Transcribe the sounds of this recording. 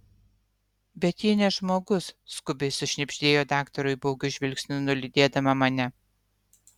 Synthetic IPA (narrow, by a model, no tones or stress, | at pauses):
bʲɛt̪jiːnʲɛʒmoːɡʊsskʊbʲɛɪsʊʃʲnʲɛpʲʃʲt̪ʲeːjoːd̪ɑːkt̪ɔɾʊɪboːɡʲʊʒʲʋʲɪlʲksʲnʲɪnʊlʲɪd̪ʲeːd̪ɐmɐmɐnʲɛ